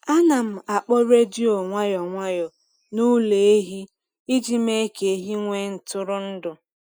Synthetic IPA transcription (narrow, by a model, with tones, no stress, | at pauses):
a˦na˨m̩˨a˨k͡pɔ˦ɾe˦di˦o˨ŋʷa˦jɔ˨ŋʷa˦jɔ˨ | nu˦le˨e˦ɦi˦ | i˦d͡ʒi˦me˦ke˨˦ɦi˦ŋʷe˦n̩˨tʊ˦ɾʊ˦n̩˦dʊ˨